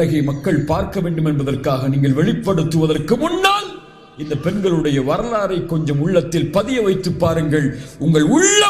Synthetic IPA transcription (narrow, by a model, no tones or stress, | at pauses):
ɐɣɐɪmɐkːɐɭpaːɾkɐʋeːɳɖɯmɛnbɐðɐrkaːɣɐniːŋɡɐɭʋɛɭɪpːɐɽɯt̪ːɯʋɐðɐrkɯmʊnːaːl | ɪnd̪ɐpɛnɡɐɭɯɽɐjɐʋɐɾɐlaːɾɐɪkːɔɲd͡ʒɐmʊɭːɐt̪ːɪlpɐðɪjɐʋɐɪt̪ːɯpːaːɾɯŋɡɐɭʊŋɡɐɭʊɭːɐ